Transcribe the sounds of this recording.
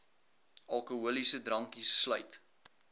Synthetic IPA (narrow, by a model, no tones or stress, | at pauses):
ʔɐlˠkuɦuəlisədrɐŋkisːlœɥt